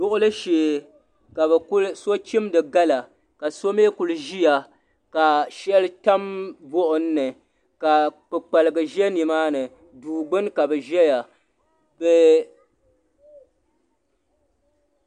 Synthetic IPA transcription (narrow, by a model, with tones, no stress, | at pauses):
dʊ˦ʔʊ˦lɨ˦ʃeː˨ | ka˨bɨ˨˦so˦t͡ʃi˦mdɨ˨ɡa˦la˨ | ka˨so˦me˦ku˨lʒi˦ja˨ | ka˨ʃɛ˦lɨ˦ta˦mbɔ˦ʔʊ˨n̩ː˦ɨ˨ | ka˨k͡pɨ˨k͡pa˨lɨ˨ɡɨ˨ʒɛ˦ni˨maː˦nɨ˨ | duː˨ɡ͡bɨ˦nka˨bɨ˨ʒɛ˦ja˨ | bɨ˨